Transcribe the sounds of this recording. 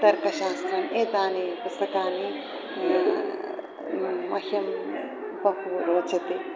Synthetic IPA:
t̪ɐɾkɐʃaːst̪ɾɐneːt̪aːnipʊst̪ɐkaːni | ɐhɐm | pɐkuːɾoːt͡ʃʰɐt̪i

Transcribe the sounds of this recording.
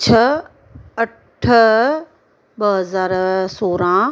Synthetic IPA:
t͡ɕʰɐ | ɐ | ʈʰə | bɐɦɐzaːɾsoːɾãː

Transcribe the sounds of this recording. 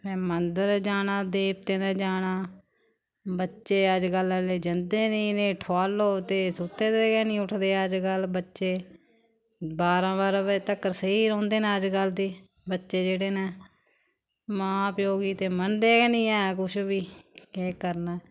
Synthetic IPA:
mɛ̃ːmənd̪əɾd͡ʒaːnaːd̪eːp̚t̪ẽːd̪eːd͡ʒaːnaː | bətːʃeːəd͡ʒɡələleːd͡ʒənd̪eːnĩːnẽːʈʰoaːloːt̪eːsʊt̪ːeːd̪eːɡɛːnĩːʊʈʰd̪eːəd͡ʒɡəlbətːʃeː | baːɾãːbaːɾãːbət̪əkːəɾsiːɾɔ̃ːnd̪eːnẽːəd͡ʒɡəld̪iː | bətːʃeːd͡ʒeːɽeːnẽː | mãːpjoːɡiːt̪eːmənd̪eːɡɛːnĩːɛːkʊʃbiːeːkəɾnɛː

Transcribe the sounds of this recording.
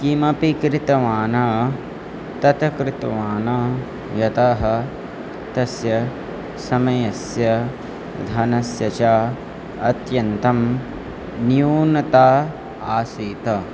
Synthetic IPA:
kimɐpikɾɪt̪ɐʋaːnɐ | t̪ɐt̪ɐkɾɪt̪ɐʋaːnɐ | jɐt̪aɦɐ̆ | t̪ɐsjɐ | sɐmɐjɐsjɐ | d̪ʱaːnɐsjɐt͡ʃaː | ɐt̪jɐnt̪ɐm | njuːnɐt̪aː | aːsiːt̪ɐ

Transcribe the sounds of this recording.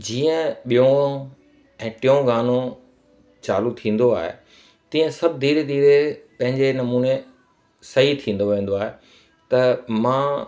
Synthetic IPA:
d͡ʑiːə̃ɓijõ | ɛ̃ːʈɪjõɡaːno | t͡ɕa̰ːlut̪ʰĩːn̆d̪oa̰ːɦḛ | t̪ĩːə̃sɐbʱɪd̪ʱiːɾed̪ʱiːɾepɐ̃ɦɪ̃ɲd͡ʑenɐmuːne | sɐɦit̪ʰĩːn̆d̪oʋẽːn̆d̪oaːɦe | t̪ɐmãː

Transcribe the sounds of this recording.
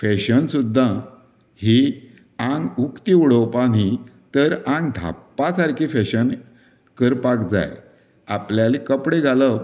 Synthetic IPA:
fɛɕənsud̪ʱːa | hi | ãŋɡukt̪iuɽopaɽ̤it̪əɾãŋɡd̪ʱa̰pːasaɾkʰifɛɕən | kəɾpakd͡za̰j | apljalikəpɽeɡʱalə

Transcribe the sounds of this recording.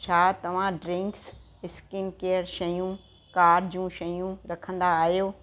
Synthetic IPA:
t͡ɕʰaːt̪ɐʋ̤ãɖɾɪ̃ŋks | ɪskɪnkeːəɾʃɐjũ | kaːɾɖd͡ʑũːʃɐjũɾɐkʰə̃nd̪aːɦijoː

